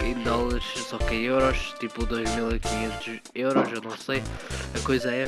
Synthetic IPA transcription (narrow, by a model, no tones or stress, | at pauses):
ẽd̪ɔlˠɐɾʃsɔkeewɾɔʃt̪ipud̪ojʒmilˠikiɲẽnt̪uʃ | ewɾɔʒewnɐ̃w̃sejɐkojzɐɛ